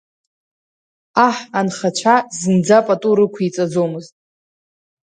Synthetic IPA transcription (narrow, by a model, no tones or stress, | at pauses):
aħanχat͡ʃʷʰazɨnd͡zapʼatʼuɾɨkʷʰit͡sʼad͡zomɨztʼ